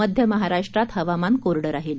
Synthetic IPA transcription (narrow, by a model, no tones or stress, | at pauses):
əd̪ʱjəməɦaɾaʂʈɾat̪ɦəʋamankoɾɽəɾaɦil